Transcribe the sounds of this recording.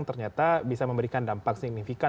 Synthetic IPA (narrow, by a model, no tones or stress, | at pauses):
ŋt̪ərɲat̪abisaməmbəɾikandampaksiɡ̚nifika